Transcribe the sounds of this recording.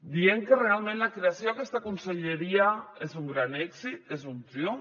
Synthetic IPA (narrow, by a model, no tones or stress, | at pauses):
d̪ieŋkerealˠmẽnlakɾeasjoakest̪akunseʎeɾiaezuŋɡɾanɛksit̪ezumt̪jo